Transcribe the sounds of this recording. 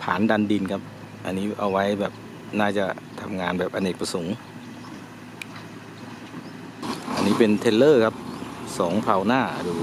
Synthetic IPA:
pʰaː˩˦nda˧ndi˧nkʰa˦˥p̚ | ʔa̰˧nːiː˦˥ʔa˧wa˦˥jbɛː˨˩p̚ | naː˥˩t͡ɕa˨˩t̪ʰa˧mŋaː˧nbɛː˨˩p̚ʔa˧nʔeː˨˩k̚pɾa˧so˨˩˦ŋ | ʔa˧nːiː˦˥pe˧nt̪ʰe˧lːɤː˥˩kʰa˦˥p̚sɔː˩˦ŋpʰa˧wnaː˥˩duː˧

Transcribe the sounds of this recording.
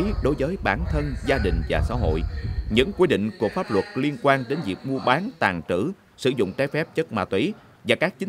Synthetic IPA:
ɗo˨˦jvəː˨˦jɓaː˧˩nt̪ʰə˧nzaː˧ɗï˨˩ŋ̟vaː˨˩sa̰ː˧˥ɦo̰˧˨jʔɲɨ̰˧˥ŋkwi˧ɗḭ̈˧˨ŋ̟ku˧˨˩k̚faː˦˥p̚lwə˨˩t̚li˧ənkwaː˧nɗe˨˦nvḭ˨˩ək̚mu˧əɓaː˨˦nt̪aː˨˩ŋt͡ɕɨ̰˧˩ | sɨ̰˧˩zʊ̰˧˨ŋ͡mt͡ɕaː˨˧˦jfɛ˦˥p̚t͡ɕə˦˥t̚ma̰ː˧˨˩t̪wi˧˨˦ | vaː˨˩kaː˦˥k̚t͡ɕï˨˦

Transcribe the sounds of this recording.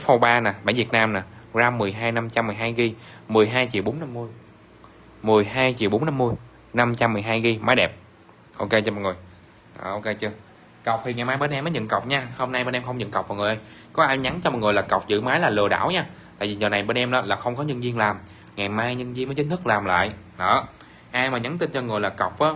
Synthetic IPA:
fo˧ɓaː˧naː˨˩ɓa̰ː˧˩nvi˨˩ət̚naː˧mnaː˨˩zaː˧mːɨ˨˩əjɦaː˧jna˧mt͡ɕa˧mːɨ˨˩jɦaː˧jɣi˧mɨ˨˩əjɦaː˧jt͡ɕḭ˨˩wɓo˨˦na˧mːɨ˧əj | mɨ˨˩əjhaː˧jt͡ɕḭ˨˩əwɓo˨˦nːa˧mːɨ˧əj | na˧mt͡ɕa˧mːɨ˨˩əjɦaː˧jɣi˧maː˨˦jɗɛ˨˩p̚ | ʔo˧ke˧t͡ɕɔ˧mɔ̰˨˩ŋɨ˨˩əj | ʔʔo˧ke˧t͡ɕɨ˧ə | ka˨˩wk͡p̚t̪ʰi˨˩ŋa˨˩maː˧jɓe˧nʔɛ˧məː˨˦ɲə̰˧˨nkə˨˩wk͡p̚ɲaː˧ho˧mna˧jɓe˧nʔɛ˧mxə˧wŋ͡mɲə̰˧˨nkɔ˨˩w̚k͡p̚vɔ̰ː˨˩ŋ˨˩jʔə˧jkɔ˨˦ʔaː˧jɲa˨˦nt͡ɕɔ˧mɔ˨˩ŋɨ˨˩laː˨˩ka˨˩wk͡p̚zɨ̰˧˨maː˨˦jlaː˨˩lɨ˨˩əɗa̰ː˧˨wɲaː˧t̪a̰˧˨vi˨zəː˨˩na˨˩jɓe˧nʔɛ˧mʔaː˨˦laː˨˩xə˧wŋ͡mkɔ˨˦ɲə˧nvi˧ənlaː˨˩m | ŋa˨˩jmaː˧jɲə˧nzi˧nmə˨˦t͡ɕï˨˦ŋ̟t̪ʰk̚laː˨˩mla̰ː˧˨jʔ | ɗə̰ː˨˩ | ʔaː˧jmaː˨˩ɲa˨˦nt̪ï˧nt͡ɕɔ˧ŋɨ˨˩əjlaː˨˩kə˨˩wk͡p̚ʔaː˨˦

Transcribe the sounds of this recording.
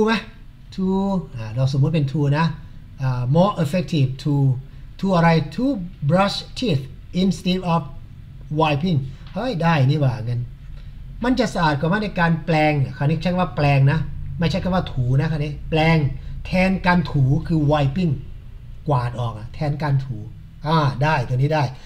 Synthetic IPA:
t̪ʰu˧ma˦˥ | t̪ʰuː˧ʔaː˨˩ɾaː˧ws̬o˨˩˦mu˦˥t̪̚pe˧nt̪ʰuː˧na˦˥ | ʔaː˨˩mɔː˥˩ʔe˧fe˦˥k̚t̪ʰi˧˩ft̪ʰuː˧ | t̪ʰuː˧ʔa˧ɾa˧jt̪ʰuː˧bɾa˧˥st̪ʰiː˥˩t̪̚ | ʔi˧nst̪iː˦˥p̚ʔɔː˧˩p̚ | waː˧jpʰi˥˩ŋ | ha˦˥˩jdaː˥˩jniː˧˥˩waː˨˩ŋɤ˧n | ma˧nt͡ɕa˨˩ʔsa˧ʔaː˨˩t̪̚kʰaː˨˩wma˥˩na˧jkaː˧nplɛː˧ŋa˨˩kʰaː˧˩niː˦˥˩t͡ɕʰa˥ka˨˩waː˥˩plɛː˧ŋna˦˥ma˥˩jt͡ɕʰa˥kʰa˨˩waː˥˩t̪ʰuː˩˦na˦˥kʰa˥˩niː˦˥plɛː˧ŋt̪ʰɛː˧nkaː˧nt̪ʰuː˩˦kʰɯː˧waː˧jpi˥˩ŋ | kwaː˨˩t̪̚ʔɔː˨˩k̚ʔa˨˩t̪ʰɛː˧nkaː˧nt̪ʰuː˩˦ | ʔaː˧˩daː˥˩jt̪ʰu˧niː˦˥daː˥˩j

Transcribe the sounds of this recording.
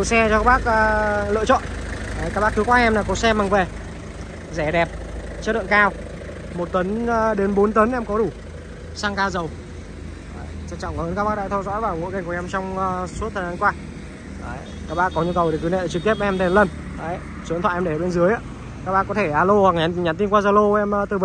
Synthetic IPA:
ɨ˧˨sɛ˧t͡ɕɔ˧kaː˦˥k̚ɓaː˦˥k̚ʔəː˧lɨ̰˧˨t͡ɕɔ̰˧˨nʔəː˨˩jkaː˦˥k̚ɓaː˦˥k̚ʰi˨˦kwaː˧ʔɛ˧mnaː˨˩kɔ˨˦sɛ˧ma˨˩ŋve˨˩ | zɛ˧˩ɗɛ˨˩p̚ | t͡ɕə˦˥ɗɨ̰˧˨ŋkaː˧w | mo˨˩t̚t̪ə˨˦nː˧ɗe˨˦nɓo˨˦nt̪ə˨˦nʔɛ˧mkɔ˨˦ɗu˧˩ | saː˧ŋkaː˧zə˨˩w | əː˨˩jt͡ɕa˧ŋt͡ɕɔ̰˧˨ŋ͡mkhəː˨˦nkaː˦˥ɓaː˦˥ɗa̰˧˨t̪ʰɔ˧zɔ̰˧˥jvaː˨˩wŋo̰˧˥jka˨˩ŋkʔɛ˧mt͡ɕɔ˧wŋ͡məː˧su˦˥t̪̚ʰə˨˩zaː˨˦nkwaː˧ | ʔəː˨˩j | kaː˦˥k̚ɓa̰ː˧˥kɔ˨˦ɲu˧kə˨˩wɗe˨˩kɨ˨˦nḛ˧˨˩t͡ɕɨ˨˩k̚t̪i˦˥əp̚ʔɛ˧mt̪ʰe˨˩lə˧˩n | ʔə˨˦j | su˨˦t̪ʰwa̰˧˨ʔɛ˧ɗe˧˨˩ɓe˧nzɨ˨˦jʔaː˧˦ | kaː˦˥ɓa̰ː˧˥kɔ˨˦t̪ʰe˧˩ʔaː˧lo˧hwa˨˩k̚ɲa˨˦nɲaː˨˩nt̪̬i˧nkwaː˧zaː˧˩lo˧ʔɛ˧mː˧t̪ɨ˨˩ɓə˨

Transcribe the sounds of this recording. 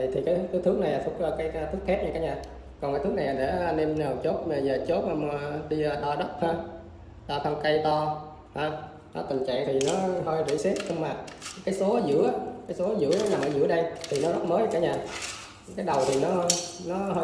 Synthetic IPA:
t̪ʰi˨˩kaː˨˦jt̪ɨ˨˦t̪ʰɨ˦˥kna˨˩jlaː˨˩fʊ˦˥t̚t͡ɕaː˧kaː˨˦jt̪ʰɨ˦˥k̚xʰɛ˦˥t̚ɲaː˧kaː˨˦ɲaː˨˩ | kɔ˨˩nkaː˨˦jt̪ɨ˦˥k̚na˨˩jla˨˩ɗḛ˧˩˧ne˧mə˨˩t͡ɕo˦˥t̚a˨˩zəː˨˩t͡ɕo˦˥t̚ːm˧ɗi˧ɗɔ˧ɗə˦˥k͡p̚haː˧ | ɗɔː˧k̪ʰa˧ŋ͡mkə˧jt̪ɔ˧ | haː˧ | nɔ˨˦t̪ï˨˩ŋt͡ɕa̰˧˨jt̪ʰi˨˩nɔ˨˦ɦəː˧jzḭ˧˥sɛ˦˥t̚hə˧wŋ͡mmaː˨˩kaː˨˦jso˨˦˧zɨ̰˧˥əʔaː˨˦kaː˨˦jso˨˦zɨ̰˧˥əna˨˦laː˨˩mʔəː˧˦zɨ̰˧˥əɗə˧jt̪ʰi˨˩nɔ˨˦zə˦˥t̚məː˨˦jkaː˧˩˦ɲaː˨˩ | kaː˨˦jɗə˨˩wt̪ʰi˨˩nɔ˨˦nɔ˨˦ɦə˧

